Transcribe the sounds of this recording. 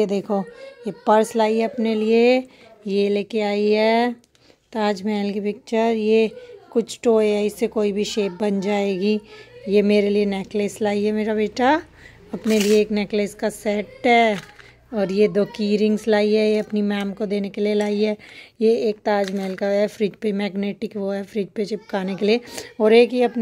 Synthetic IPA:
ed̪eːkʰojepɐɾslaːiɦɛɐpnelie | jeleːkeaːiɦɛː | t̪aːd͡ʒmɛːlkipɪk̚t͡ʃəɾjekʊt͡ʃʰʈoːeɦɛɪsːekoːibʱiʃeːp̚bɐnd͡ʒaːeːɡijemeːɾelieneːkləslaːiɦɛmeːɾabeːʈa | ɐpnelieːkneːkləskasɛːʈɦɛ | ɔːɾjed̪oːkiːɾɪ̃ŋɡslaːiɦɛjeɐpnimɛːmkod̪eːnekelielaːiɦɛːjeeːk̚t̪aːd͡ʒmɛːlkaɦɛfɾɪd͡ʒpemɛːɡneːʈɪkʋoɦɛfɾɪːd͡ʒpet͡ʃɪp̚kʰaːnekelieɔːɾeːkeɐpn

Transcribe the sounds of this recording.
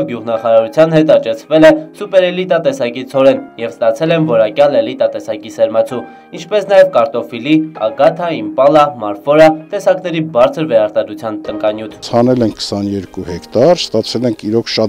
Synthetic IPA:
ɡjuʁnɑχɑɾɑɾut͡sʰjɑnhɛt̪ɑt͡ʃɛt͡sʰvɛlɛsupɛɾɛlit̪ɑt̪ɛsɑkit͡sʰɔɾɛnjɛvst̪ɑt͡sʰɛlɛnvɔɾɑkjɑlɛlit̪ɑt̪ɛsɑkisɛɾmɑt͡sʰu | int͡ʃʰpɛsnɑjɛvkɑɾt̪ɔfiliɑ̰ɡɑt̪ʰɑimpɑlɑmɑɾfɔɾɑt̪ɛsɑknɛɾibɑɾt͡sʰəɾvɛɾɑɾt̪ɑd̪ɾut͡sʰjɑnt̪əŋkɑnjut̪ʰt͡sʰɑnɛlɛŋkʰːə̥sɑnjɛɾkuhɛkt̪ɑɾst̪ɑt͡sʰɛlɛŋkʰiɾɔkʰʃɑt̪

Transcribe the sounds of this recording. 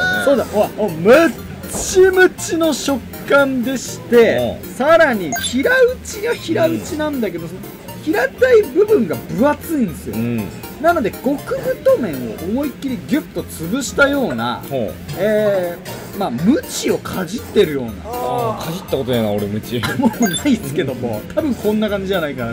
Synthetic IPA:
soːd̪aaomɯ̟ | t͡ɕimɯ̟t͡ɕino̞ɕo̞kːãnd̪e̞ɕi̥t̪e̞saɾaɲ̟içiɾaɯ̟t͡ɕiɡaçiɾaɯ̟t͡ɕinãnd̪ake̞d̪osono | çiɾat̪aibɯ̟bɯ̟̃ŋɡabɯ̟at͡sɨĩnd̪esɨjo | nano̞d̪e̞ɡ̥o̞kɯ̟ɡɯ̟t̪o̞mẽ̞ɰ̃o̰ʔomo̞ikʲːiɾʲiɡʲɯpt̪o̞t͡sɨbɯ̟ɕi̥t̪ajo̞ːna̰hoeː | mamɯ̟t͡ɕio̞kʰad͡ʑit̪ːe̞ɾɯ̟jo̞ːna̰kʰad͡ʑit̪ːako̞t̪od̪aaoɾemɯ̟t͡ɕimonaisɨ̥ke̞d̪o̞mo̰t̪ʰabɯ̟̃ŋkõ̞nːakãɲ̟d͡ʑiʑanaika

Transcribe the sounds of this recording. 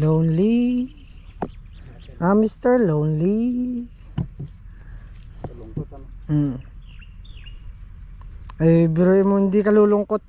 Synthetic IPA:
lownli | ʔamist̪ɛɹlownli | ʔɐjbɛɾoʔɪmohɪnd̪ikɐluːlʊŋkot̪̚

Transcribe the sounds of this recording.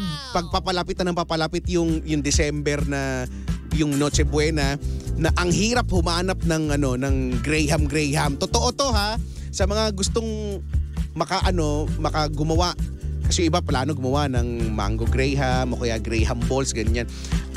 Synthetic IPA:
pɐɡ̚papɐlapɪt̪̚ɐnɐmpapɐlapɪt̪̚jʊŋjʊŋd̪ɪsɛmbɛɾnɐ | jʊŋnoːt͡ʃɛbwɛnɐnɐʔɐŋɦiːɾɐphʊmaːnap̚nɐŋʔɐno̞nɐŋɡɾɛjɦɐmɡɾɛjɦɐmt̪ot̪oʔo̞t̪o̞ɦa | sɐmɐŋaɡʊst̪o̞ŋ | mɐkaʔɐno̞mɐkaɡʊmɐwaʔkɐsɛjʊʔɪbaplaːno̞ɡʊmɐwaʔnɐŋma̰ŋɡoɡɾɛjɦamːokojaɡɾɛjɦɐmbolsɡɐɲan

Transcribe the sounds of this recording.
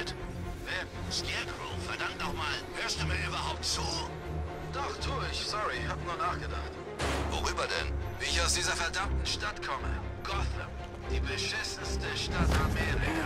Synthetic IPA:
t | vɛ | skɛkʁo̰fɛɐdaŋk̚t̚dɔχmaːlhøːɐstd̥uːmiːɐʔyːbɐɦaʊp̚tt͡suː | d̥ɔχtʰoːɪçsɔʁihatənuːnaːχɡ̥əda̰χt | vo̰ʁyːbɐdɛ̰nviːɪçaʊsd̥iːzɐfɛɐdamtn̩ʃtatkʰɔmə̰ | ɡ̥ɔθə̰m | d̥iːbəʃɪsn̩stəʃtatamɛːʁɪka

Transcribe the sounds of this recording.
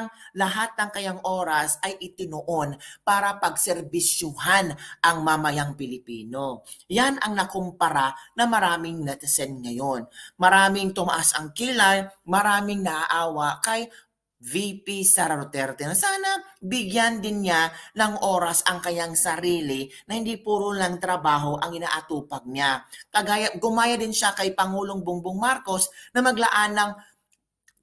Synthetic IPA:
ŋlɐɦat̪̚nɐŋkɐjaŋʔoːɾɐsʔɐjʔɪt̪ɪnoʔonpaːɾɐpɐɡ̚sɛɾbɪʃʊhanʔɐŋmɐmɐjaŋpɪlɪpiːno̞janʔɐŋnɐkompɐɾanɐmɐɾaːmɪŋnɐt̪ɪsɛnŋɐjo̞nmɐɾaːmɪŋt̪ʊmɐʔasʔɐŋkiːlajmɐɾaːmɪŋnɐʔaʔaːwɐʔkɐj | vipisaɾɐɾot̪ɛɾt̪ɛnɐsaːnɐbɪɡjand̪ɪnɲanɐŋʔo̞ːɾɐsʔɐŋkɐɲaŋsɐɾiːlɪnɐhɪnd̪ipuːɾʊlaŋt̪ɾɐbaːɦo̞ʔɐŋʔɪna̰ːʔɐt̪uːpɐɡ̚ɲakɐɡajɐɡʊmaːjɐd̪ɪnʃakɐjpɐŋuːloŋbʊŋbʊŋmaɾko̞snɐmɐɡlɐʔanːɐŋ

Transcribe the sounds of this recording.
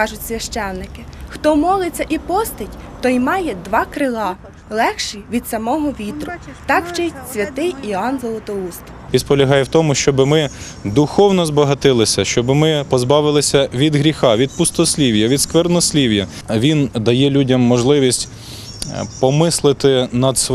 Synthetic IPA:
kɑʒʊtʲsʲʋʲɐʃt͡ʃɛw̪nɪkɪxt̪ɔmɔlˠɪt͡sʲːɐʔipɔst̪ɪtʲt̪ɔjmɑjɛd̪ʋɑkɾɪlˠɑ | lˠɛxʃiʋʲid̪sɐmɔɦɔʋʲit̪ɾʊt̪ɑkwt͡ʃɛsʲʋʲɐt̪ɪjiɑnzɔlˠɔt̪ɔust̪ | ʋʲispɔlʲɐɦɑjɛwt̪ɔmʊʃt͡ʃɔbɪmɪ | d̪ʊxɔwnɔzbɐɦɐt̪ɪlˠɪsʲɐʃt͡ʃɔbɪmɪpɔzbɑʋɪlˠɪsʲɐʋʲid̪ɦɾʲixɑʋʲid̪̚pʊst̪ɔsʲlʲiwjɐʋʲid̪skʋɛrnɔsʲlʲiwjɐ | ʋʲind̪ɐjɛlʲudʲɐmːɔʒlˠɪʋʲisʲtʲ | pɔmɪslˠɪt̪ɪnɐd̪s

